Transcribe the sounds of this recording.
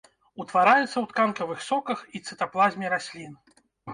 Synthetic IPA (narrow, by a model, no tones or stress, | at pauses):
ut̪vaɾajut̪sːɐwt̪kankɐvɨxsɔkɐxit̪sɨt̪aplˠazʲmʲiɾasʲlʲin